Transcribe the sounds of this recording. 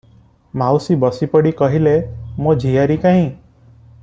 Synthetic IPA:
mawsibɔsipɔɽikɔɦilemod͡ʒʱijaɾikãɦĩ

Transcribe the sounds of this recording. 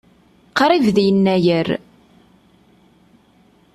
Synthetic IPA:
qɾˤivðjənːæjəɾ

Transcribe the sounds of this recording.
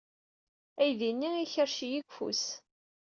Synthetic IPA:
æjðinːiiçəɾʃijiɡʷfṵs

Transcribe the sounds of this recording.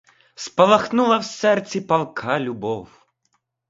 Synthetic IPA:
spɐlˠɐxnulˠɐwsɛrt͡sʲipɐlˠkʰalʲubɔw

